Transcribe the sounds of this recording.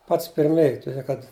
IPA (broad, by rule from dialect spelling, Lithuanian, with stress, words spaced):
ˈpɐts pʲɪrʲˈmʲeːj tʊˈdʲeː kɐt